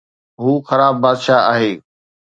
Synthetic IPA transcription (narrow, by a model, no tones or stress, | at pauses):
ɦuːxɐɾaːbːaːd̪ʃaːa̰ːɦeː